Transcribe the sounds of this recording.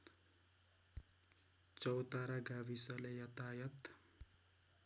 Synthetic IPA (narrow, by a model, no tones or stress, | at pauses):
t͡sʌwt̪aɾaɡabisʌlejʌt̪ajʌt̪